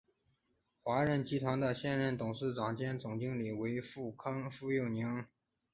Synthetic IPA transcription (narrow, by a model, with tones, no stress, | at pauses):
xwa˧˥ɻə˧˥nt͡ɕi˥t̪ʰwa˧˥nd̪ə˧ɕjɛ˥˧nɻə˥˩nt̪ʊ˨˩ŋʂɻ̩˥˩ʈ͡ʂɑ˨˩ŋt͡ɕjɛ˥nt͡sʊ˨˩ŋt͡ɕi˥ŋli˨˩we˧˥ɪfu˥˩kʰɑ˥ŋfu˥˧jo˥˩ʊni˧˥ŋ